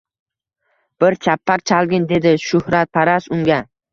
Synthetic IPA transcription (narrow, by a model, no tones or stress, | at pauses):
b̥ɪɾt͡ʃʰapʰːak̚ʲt͡ʃʰalɡʲɪnd̪e̞d̪ɪʃʊhɾat̪̚pʰaɾasʊŋɡʲa